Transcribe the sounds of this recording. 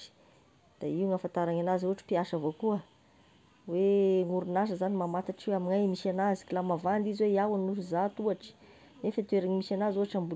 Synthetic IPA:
d̪̥a̰iuŋafant̪aɾaŋanazuaʈ͡ʂi̥piaʃavokuə | weŋuɾunaʃəzanimamat̪aʈ͡ʂweaminajmiʃanazi̥kilamavand̪iziweiawannuʃuzat̪uaʈ͡ʂi̥ | nefat̪weɾaɲimisanazuaʈ͡ʂambu

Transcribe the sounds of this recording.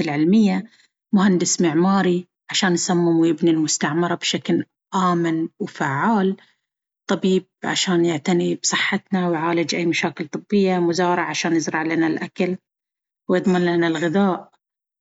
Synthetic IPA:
ɪlʕɪlmɪjːa | mʊhand̪ɪsmɪʕmaːɾi | ʕaʃaːnjsamːɪmwjɪbnilmʊst̪aʕmɪɾˤɑbʃakl | ʔaːmɪnwfaʕːaːl | t̪ˤɑbiːb̚ʕaʃaːnjɪʕt̪anibsˤɨħːɪt̪nawjʕaːlɪd͡ʒʔajːmaʃaːkɪlt̪ˤɨbːɪjːamʊzaːɾˤɑʕʕaʃaːnjɪzɾˤɑʕlaːnalʔakal | wjɨd̪ˤmɪnlanalɣɪðaːʔ

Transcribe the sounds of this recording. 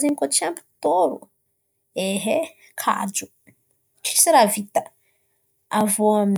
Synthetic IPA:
zinkot͡ʃiampu̥t̪oɾṵ | eɦe | kʰa̰d͡ʒu | t͡ʃi̥siɾavit̪ə | avoam

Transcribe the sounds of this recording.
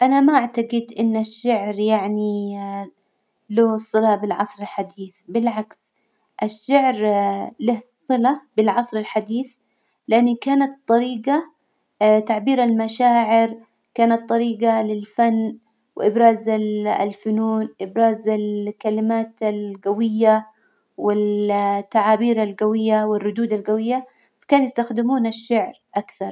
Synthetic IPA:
ʔanamaʔaʕt̪aɡɪd̪ʔɪnːaʃːaʕɾjaʕni | loːsˤːɨlabɪlʕɑsˤɾɪlħad̪iːθbɪlʕaks | ʔaʃːaʕɾlahsˤːɨlabɪlʕɑsˤɾɪlħad̪iːθ | lɪʔanːikaːnat̪t̪ˤːɑɾiːɡa | t̪aʕbiːɾalmaʃaːʕɪɾ | kaːnɑt̪ˤːɑɾiːɡalɪlfanː | wɪʔɪbɾaːzalfʊnuːnʔɪbɾaːzalkalɪmaːt̪alɡawɪjːa | wɪlt̪ːaʕaːbiːɾalɡawɪjːawɪrːʊd̪uːd̪alɡawɪjːa | fḁkaːnjast̪axd̪ɪmuːnaʃːaʕɾʔakθɑɾˤ

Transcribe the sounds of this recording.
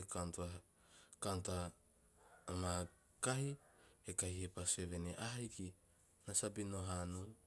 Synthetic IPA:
ekantua | kantaː | ma | kahiekahihepase̞βe̞neʔaɦajki | nasabino̞ɦanu

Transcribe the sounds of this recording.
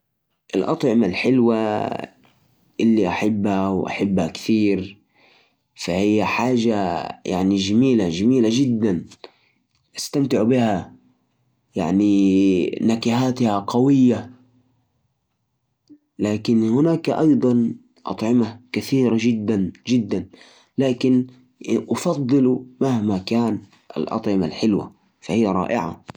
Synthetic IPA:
ʔɪ̰lʔɑ̰t̪ˤʕɪmalħɪlwa | ʔɪlːiʔaħabːhawʔa̰ħabːhakθiːɾ | fahɪjːaħaːʒaja̰ʕnid͡ʒamiːlaʒamiːlaʒɪd̪ːan | ʔast̪amt̪ɪʕbɪha | jaʕni | nakaɦaːt̪haqɑwɪjːa | laːkɪnhʊnaːkʔɑjd̪ˤɑn | ʔɑ̰t̪ˤʕɪmakaθiːɾaʒɪd̪ːanʒɪd̪ːan | laːkɪn | ʔɑfɑd̪ˤːɨlumahmakaːn | ʔa̰lʔɑ̰t̪ˤʕɪmalħɪlwa̰ | fahijːaɾˤɑ̰ːʔɪ̰ʕa̰

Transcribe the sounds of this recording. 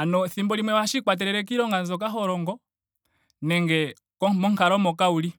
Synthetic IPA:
anɔθimbɔlimwɛwaʃikwat̬ɛɾɛɾɛk̬iɾɔŋɡanzɔk̬aɦɔɾɔŋɡɔ | nɛŋɡɛ | kɔmɔŋkaɾɔmɔkauli

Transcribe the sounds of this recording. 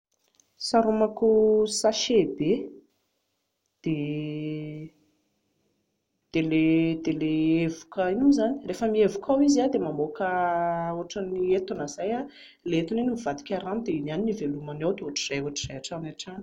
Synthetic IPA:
saɾumakusaʃebe | d̪̥e | d̪̥eled̪eleevukəinuzani̥refəmievukawizad̪emamokəoaʈ͡ʂəniet̪unaz̥aja | leet̪unenimivad̪i̥kʲaɾanud̪einaninivelumanawd̪euoaʈ͡ʂiz̥ajoaʈ͡ʂiz̥ajaʈ͡ʂanaʈ͡ʂani̥

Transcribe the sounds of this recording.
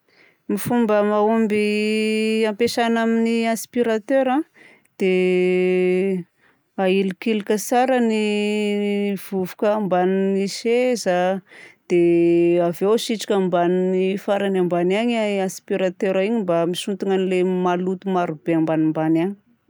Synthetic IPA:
mifumbəmaumbi | ampeʃanaminiaspiɾat̪øɾã | d̪̥e | ailikilikʲəsaɾəni | v̥uvukəmbaniniʃezad̪̥eavewʃiʈ͡ʂi̥kʲambaninifaɾanambanaɲaaspiɾat̪øɾaiɲimbamiʃunt̪uŋanilemalut̪umaɾub̥eambanimbanaɲi̥

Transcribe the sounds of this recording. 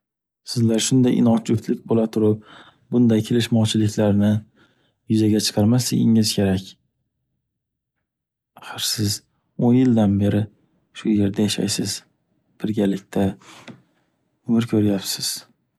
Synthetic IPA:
sɪzlaɾʃʊnd̪ajʔɪ̰nɒt͡ʃʊpt̪lɪk̚ʲbolat̪ʰʊɾɪp̚ | bʊnd̪ajkʲʰelɪʃmɒwt͡ʃʰɪlɪkʲʰlaɾnɪ | jʊzaɡʲat͡ʃʰɨ̥qʰɑɾmast̪ɪ̰ɡʲɪŋɪz̥kʲʰe̞ɾakʲ | aχɨɾsɪz | onjɪld̪anbe̞ɾɪ | ʃʊje̞ɾd̪ajaʃa̰jsɪz̥ | b̥ɪɾɡʲalɪk̚ʲt̪ʰa | ʊmɪɾkʲʰɵɾjapsɪz̥

